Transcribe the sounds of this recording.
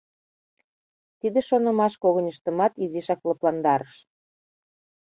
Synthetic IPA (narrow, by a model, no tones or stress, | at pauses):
t̪id̪eʃonɤ̆mɑʃkoɣənʲəʃt̪ə̆mɑt̪iziʃɑklɤplɑnd̪ɑɾəʃ